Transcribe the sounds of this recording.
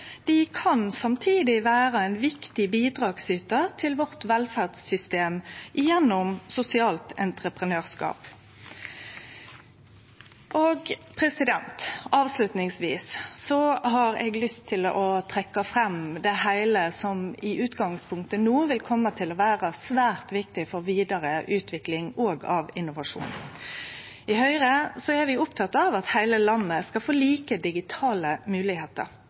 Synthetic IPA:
d̪̥ɪkʰɑnsɑmt̪ʰiːd̪ɪʋæːʁəæɪnʋɪkt̪ɪbiːd̪ʁɑːɡsyːt̪ət̪ʰɪlʋɔʁt̪ʋɛlfæʁd̪sʏst̪eːmʔɪjɛnːʊmsʊsɪɑːlt̪ɛnt̪ɾəpʁənøːʁskɑ̰ːp | ʔoːɡpʰɾɛsɪd̪ɛnt̪ɑːʋslʉt̪nɪŋsʋiːssɔhɑɾɛ̰ɡlʏst̪ʰːɪlɔt̪ʰɾɛkːɑfɾɛmd̪ɛhæɪləsɔmɪʔʉːt̪ɡɑŋspʰʊŋk̚t̪ənuːʋɪlkʰɔmːət̪ʰɪlɔʋæːɾɑsʋæːʁt̪ʋɪk̚t̪ɪfɔɾʋiːd̪ɑɾəʔʉːt̪ʰʋɪklɪŋɔːɡɑʋɪnʊʋɑʂṵːn | ɪhœʏɾəsɔɛɾʋɪʊpt̪ʰɑt̪ɑʋɑt̪hæɪləlɑnːəskɑlfoːliːkəd̪ɪɡɪt̪ʰɑːləmʉːlɪheːt̪ə̰ɾ

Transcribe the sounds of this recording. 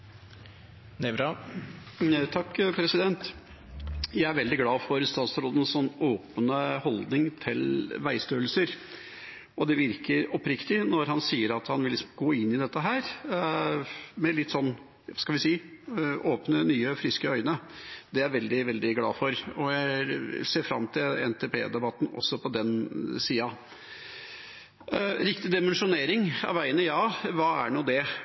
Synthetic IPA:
nɛʋɾɑ | t̪ʰɑkːpʰɾɛsɪd̪ɛnt̪ | jæɪæɾʋɛld̪ɪɡlɑːfɔɾst̪ɑːt̪sɾoːd̪ənsɔnːoːpənəhɔld̪nɪŋt̪ʰɪlʋæɪst̪øːlsəɾ | ʔɔd̪ɛʋɪɾkəɾɔpɾɪkt̪ɪnɔɾɦɑnsiːəɾɑt̪hɑnʋɪlːɪsɔmɡoːɪnːɪd̪ɛt̪ːəɦæːɾ | mɛlɪt̪ːsɔnː | skɑlʋɪsiːʔoːpnənyːəfɾɪskəœʏnəd̪ɛæɾʋɛld̪ɪʋɛld̪ɪɡlɑ̰ːfɔɾɔjæɪseːɾfɾɑ̰mːt̪ʰɪlɛ̰nt̪ʰɛpʰḛːd̪ɛbɑt̪ːn̩ɔ̰sːɔpʰɔd̪ɛnsiːɑ | ɾɪkt̪ɪd̪ɪmɛnʂʊneːɾɪŋɑ̰ʋæɪənəjɑːʋɑːæ̰ɳuːd̪ɛ

